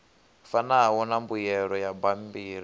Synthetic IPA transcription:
fanaɦawɔnambujɛɾɔjabambiːɾi

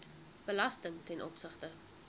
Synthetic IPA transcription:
b̥əlɐstəŋtɛnʔɔpsəχtə

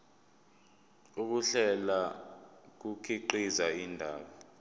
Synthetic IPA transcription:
uk̬uɬɛla | k̬ukʰiǃizaindʱaːɓɔ

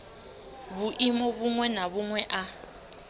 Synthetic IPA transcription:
βuʔimɔβuŋwɛnaβuŋwɛʔa

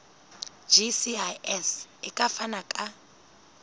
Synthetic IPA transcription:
d͡ʒisiaɛsikʼafanakʼa

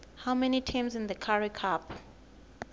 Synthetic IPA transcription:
hawmɛnitʰãmzĩnðəkʰaɹikʰap

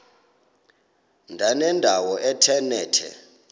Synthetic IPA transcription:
ndʱanɛndʱawɔʔɛtʰɛnɛːtʰɛ̰

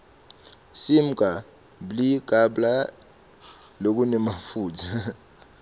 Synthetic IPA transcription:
sim̩kʼa | blikʼaɓla | lok̬unɛmafuːtʰa

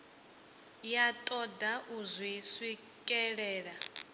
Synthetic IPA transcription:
jat̪ʼɔdaʔuzwiswi | kʼɛɺɛːɺa

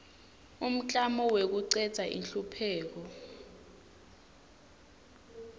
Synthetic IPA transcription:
um̩t͡ɬʼamɔwek̬uǀɛ̥z̥ʱaʔḭnɬupʰɛːk̬ɔ

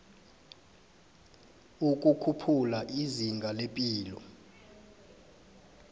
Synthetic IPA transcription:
uk̬ʼukʰupʰulaʔiziŋɡʱalepʼiːlɔ̰

